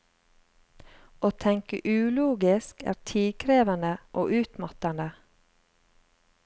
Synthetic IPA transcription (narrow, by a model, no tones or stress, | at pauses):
ʔoːt̪ʰɛŋkə̰ʔʉːluːɡɪskæ̰ːɾtʰiːkʰɾeːʋɑnəʔoːʔʉːt̪mɑt̪ɑnə